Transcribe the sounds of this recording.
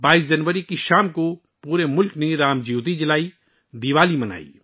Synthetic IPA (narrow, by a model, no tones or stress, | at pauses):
baːiːs̬d͡ʒɐnʋəɾikiʃaːmko | puːɾemʊlkneɾaːmd͡ʒiːt̪̬id͡ʒɪlaːi | d̪iːʋaːlimɐna̰ːḭː